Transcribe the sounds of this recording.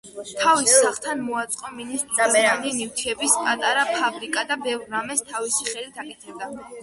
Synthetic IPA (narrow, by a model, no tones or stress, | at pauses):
t̪ʰavisːaχt̪ʰanmɔat̪sʼqʼɔminist̪ʼɾianinivt̪ʰiɛbispʼat̪ʼaɾapʰabɾikʼad̪abɛvɾːamɛst̪ʰavisiχɛlit̪ʰakʼɛt̪ʰɛd̪a